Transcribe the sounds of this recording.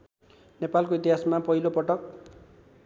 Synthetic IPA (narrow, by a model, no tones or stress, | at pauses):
nepalkoit̪iɦasmapʌɦilopʌʈʌk̚